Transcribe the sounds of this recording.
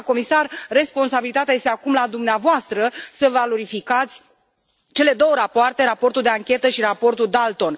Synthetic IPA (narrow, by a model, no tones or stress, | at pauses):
ko̞misarːe̞spo̞nsabilit̪at̪ajest̪eakumlad̪umneavoast̪ɾəsəvalo̞ɾifikat̪sʲ | t͡ʃe̞le̞d̪o̞wəɾapoart̪e̞ɾapo̞rt̪uld̪e̞aŋkʲe̞t̪əʃiɾapo̞rt̪uld̪alt̪o̞n